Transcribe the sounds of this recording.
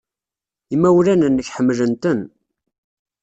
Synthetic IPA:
imːæwlænənːəçħəmːlənt̪ən

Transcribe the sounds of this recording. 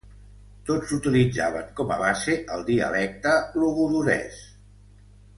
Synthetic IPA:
t̪od͡zut̪ilid͡za̰βəŋkɔməβaseʔəlˠd̪iə̰lɛk̚t̪əluɣuðuɾɛ̰s

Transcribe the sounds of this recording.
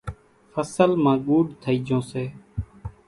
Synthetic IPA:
fəsəlmãːɠuːɖt̪ʰəiːd͡ʒʱõːseː

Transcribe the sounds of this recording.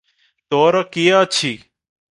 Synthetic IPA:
t̪oːɾakiat͡ʃʰiː

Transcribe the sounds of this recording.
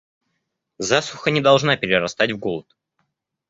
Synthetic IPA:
zasʊxənʲɪd̪ɐlˠʐnapʲɪɾʲɪɾɐst̪atʲvɡolˠət̪̚

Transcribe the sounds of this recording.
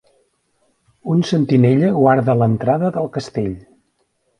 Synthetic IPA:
unsənt̪ineʎəɣwaɾðələnt̪ɾaðəðəlˠkəst̪eʎ

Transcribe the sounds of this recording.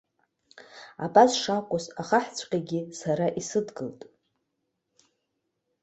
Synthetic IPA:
abasʂakʷʼʊsaχaħt͡sʷʰʼqʲʼaɡʲɪsaɾaʔisɨdɡɨltʼ

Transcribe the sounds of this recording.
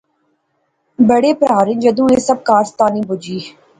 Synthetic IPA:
bəɽeːpɾaːɾɪ̃nd͡ʒəd̪ũːeːsəb̚kaːst̪aːnĩːbʊd͡ʒiː

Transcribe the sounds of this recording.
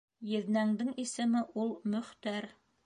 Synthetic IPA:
jɘ̆ðnæŋd̪ɘŋisɘ̆mɘʔulˠmɵ̆χt̪æɾ

